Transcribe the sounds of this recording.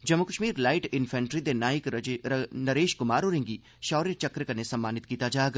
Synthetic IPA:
d͡ʒɐmukəʃmiːɾlaːɪʈɪnfʰɛ̃ːɳʈɾid̪enaːɪk | nɐɾeːʃkʊmaːɾoɾẽŋɡi | ʃɔːɾet͡ʃɐkɾkɐnesɐmːaːnɪt̪kiːt̪ad͡ʒaːɡ

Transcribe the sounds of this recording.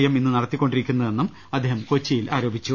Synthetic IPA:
jɐminːɨnɐɽɐt̪ːikʲːo̞ɳɖiɾikʲːunːɐðe̞nːum | ɐd̪ːeːɦɐmkot͡ɕːijilʔaːɾo̞ːbʱit͡ɕːu

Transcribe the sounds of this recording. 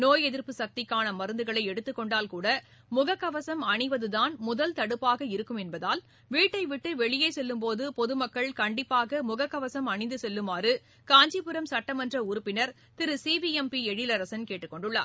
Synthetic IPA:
noːjɛðɪɾpɯsɐk̚t̪ɪkːaːnɐmɐɾɯnd̪ɯɣɐɭɐɪɛɽɯt̪ːɯkːɔɳɖaːlkuːɽɐ | mʊɣɐkːɐʋɐsɐmɐɳɪʋɐðɯðaːnmʊðɐlt̪ɐɽɯpːaːɣɐɪɾɯkːɯmɛnbɐðaːl | ʋiːʈːɐɪʋɪʈːɯʋɛɭɪjeːsɛlːɯmpoːðɯpɔðɯmɐkːɐɭkɐɳɖɪpːaːɣɐmʊɣɐkːɐʋɐsɐmɐɳɪnd̪ɯsɛlːɯmaːrɯ | kaːɲd͡ʒipɯɾɐmsɐʈːɐmɐndrɐʊɾɯpːɪnɐɾ | t̪ɪɾɯsiːʋiɛmpiɛɻɪlɐɾɐsɐnkeːʈːɯkːɔɳɖɯɭːa̰ːɾ

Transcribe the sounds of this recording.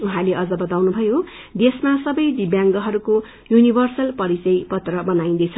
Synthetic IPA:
uɦãleʔʌd͡zʌbʌt̪awnubʱʌjo | d̪esmasʌbʌjd̪ibjaŋɡʌɦʌɾuko | junibʱʌrsʌlpʌɾit͡sʌjpʌt̪rʌbʌnaĩnd̪ʌjt͡sʰʌ

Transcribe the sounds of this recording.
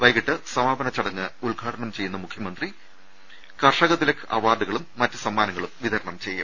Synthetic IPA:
ʋɐjɣiʈːɨsɐmaːbɐnɐt͡ɕːɐɽɐŋːɨulɡʱaːʈʰɐɳɐmt͡ɕe̞junːɐmukʰjɐmɐnd̪ri | kɐrʂɐɣɐt̪ːilekʰːɨʔɐʋaːd̪uɣɐɭumːɐtːɨ̥sɐmːaːnɐŋːɐɭumʋiðʱɐɾɐɳɐmt͡ɕe̞jːṵm

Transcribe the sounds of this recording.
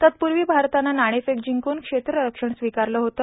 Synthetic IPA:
t̪ət̪̚puɾʋiːbʱaɾt̪ananaɽ̃esekd͡ʑiŋkonkʂet̪ɾəɾəkʂəɳsʋikaɾləːɦot̪ə

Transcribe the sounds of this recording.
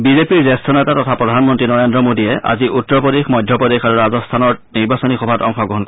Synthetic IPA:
bizepiɹzɛstʰɔnɛtatɔtʰapɹɔdʱanmɔntɹinɔɹendɹɔmodiɛʔa̰ziʔutːɔpɔdexmɔjdʱjɔpɔdexaɹuɹazɔstʰanɔɹniɹbasonixɔbʱatɔŋxɔɡɹɔɦɔnkɔ

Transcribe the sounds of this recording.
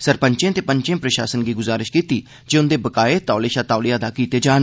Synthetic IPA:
səɾpəɲt͡ʃẽːt̪eːpəɲt͡ʃẽːpɾəʃa̰ːsənɡiːɡʊzaːɾɪʃkiːt̪iː | d͡ʒeːʊnd̪eːbəkaːet̪aːleːʃaːt̪aːlijaːd̪aːkiːt̪eːd͡ʒaːn

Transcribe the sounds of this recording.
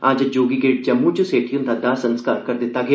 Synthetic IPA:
ãːd͡ʒɐd͡ʒoːɡiɡeːʈ̚d͡ʒɐmːud͡ʒoseːʈʰijõnt̪ʰɐd̪aːsɐ̃nskaːɾkɐɾd̪ɪt̪aɡe

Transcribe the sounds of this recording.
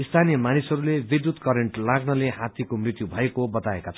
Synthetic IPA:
ist̪ʰanijʌmanisɦʌɾulebid̪jut̪kʌɾeɳʈlaɡnʌleɦat̪jikomrit̪jubʱʌekobʌt̪aekat͡sʰ

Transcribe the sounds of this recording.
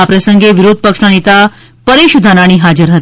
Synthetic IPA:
apɾəsəŋɡeʋɪɾod̪̚ʱpəkʂnanet̪a | pəɾeʃud̪ʱanaɽ̃iɦad͡ʒəɾɦət̪

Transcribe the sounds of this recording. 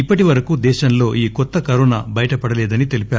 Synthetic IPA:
ipːɐʈiʋɐɾɐkud̪ɛːʃɐnlo̞ːʔiːkɔt̪ːɐkɐɾona̰bɐjɐʈɐpɐɽɐlɛːd̪ɐnit̪e̞lipaːɾu

